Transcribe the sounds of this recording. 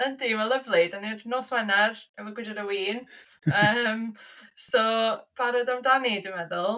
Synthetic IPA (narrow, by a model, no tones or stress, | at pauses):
əndiːvəlˠəvlˠɪdanirnoːswɛnarɛməɡwɪdaɾəwiːn | əmsɔb̥aɾɔdamdanidəmɛðʊlˠ